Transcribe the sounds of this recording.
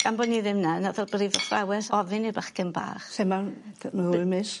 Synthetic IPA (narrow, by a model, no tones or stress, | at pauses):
ɡ̥ambɔniðɪmnanaðɔrbriːvɔfrawɛθɔvɨnibaχkɛnba̰ːχsɛmamauɨmɪs